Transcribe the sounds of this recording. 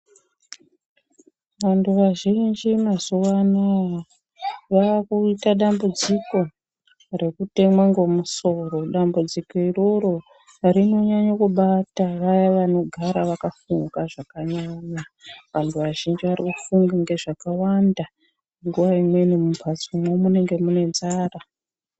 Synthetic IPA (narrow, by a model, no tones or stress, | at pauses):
ʋantʰuʋaʒind͡ʒimazuwana | ʋaakuitaɗambud͡ziko̞ | re̞kute̞mwaŋɡo̞muso̞ro̞ɗambud͡ziko̞iroɾo | ɾino̞ɲaɲakuɓataʋajaʋano̞ɡʱaɾaʋakafuŋɡaʐakaɲaɲaʋantʰuʋaʒind͡ʒiʋaɾikufuŋɡaŋɡe̞ʐakawanda | ŋɡuʋaimwe̞nimumpat͡sumwomune̞ŋɡe̞mune̞nzaːra